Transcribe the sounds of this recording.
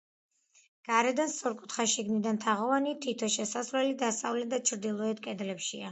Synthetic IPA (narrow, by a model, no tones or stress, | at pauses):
ɡ̥aɾɛd̪ansɔɾkʼut̪χaʃiɡnid̪ant̪ʰaʁɔvanit̪ʰit̪ʰɔʃɛsasɾwɛlid̪ast̪ʼavlɛd̪at͡ʃʰɾd̪ilˠɔɛt̪̚kʼɛd̪lɛpʃia